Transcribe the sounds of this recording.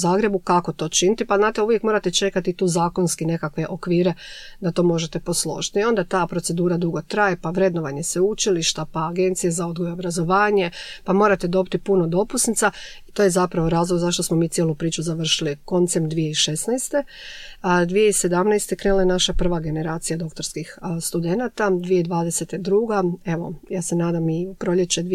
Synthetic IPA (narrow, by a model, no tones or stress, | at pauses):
zaːɡɾe̞bukako̞t̪o̞ːt͡ʃinit̪ipaznaːt̪euʋjekmo̞ɾat̪e̞t͡ʃe̞kat̪it̪uːzaːko̞nskine̞kakʋe̞ʔo̞kʋiːɾe̞ | d̪at̪o̞ːmo̞ʒet̪e̞po̞slˠo̞̰ʒi̥t̪io̞nd̪at̪aːpɾo̞t̪se̞d̪uːɾad̪uɡo̞t̪ɾajepaʋɾe̞d̪noʋaɲe̞seut͡ʃiliʃt̪apaːɡe̞nt̪sije̞zao̞d̪ɡojobɾazo̞ʋaːɲe̞pamo̞ːɾat̪e̞d̪o̞bit̪ipuno̞d̪o̞pusnit̪sa | it̪o̞ːjezapɾaʋoɾaːzlˠoɡzaʃt̪o̞smo̞miːtsjelˠupɾiːt͡ʃuzaʋr̩ʃiliko̞nt̪sed̪ʋijeiʃe̞snajst̪e̞ | d̪ʋijeise̞d̪amnajst̪ekɾenulˠajenaʃapr̩ʋaɡe̞ne̞ɾaːt̪sijad̪o̞k̚t̪o̞ɾskixst̪ud̪enat̪ad̪ʋijeid̪ʋaːd̪e̞se̞t̪ed̪ɾuːɡae̞ʋo̞̰jaːse̞naːd̪amipɾo̞ʎe̞t͡ɕed̪